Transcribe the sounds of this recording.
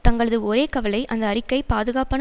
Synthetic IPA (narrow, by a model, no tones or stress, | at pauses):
t̪ɐŋɡɐɭɐðɯɔɾeːkɐʋɐlɐɪʔɐnd̪ɐːrɪkːɐɪpaːðɯɣaːpɐn